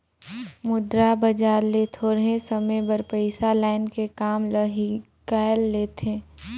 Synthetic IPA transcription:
mʊd̪ɾabɐd͡ʒaːɾlet̪ʰoɾəɦẽsɐmẽbɐɾpəɪsalaːɪnkekaːmlɐɦi | kaːəlːeːt̪ʰẽː

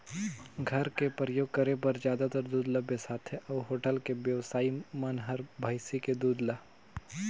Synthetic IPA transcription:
ɡʱɐɾkepəɾjoːɡ̚kəɾepɐɾd͡ʒjaːd̪at̪əɾd̪uːd̪labesaːt̪ʰɦeʔɔːɦoːʈəlkebjəʋsaːimɐnɦɐɾbʱaɪsiked̪uːd̪laː

